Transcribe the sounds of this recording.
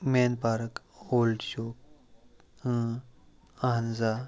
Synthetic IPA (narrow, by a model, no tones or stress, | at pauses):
menpaːɾk | oːlɖʃoːk̚ | aɦənza